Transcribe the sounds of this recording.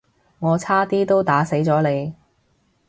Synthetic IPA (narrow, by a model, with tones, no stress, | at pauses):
ŋɔː˨˧t͡sʰaː˥t̪iː˥t̪o˥wt̪aː˨˥se˨˥jt͡sɔː˨˥le˨˧j